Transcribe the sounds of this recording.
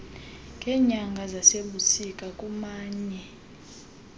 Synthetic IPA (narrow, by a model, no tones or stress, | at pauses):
ŋɡʱɛɲaŋɡʱazaseɓusikʼakʼumaːɲɛ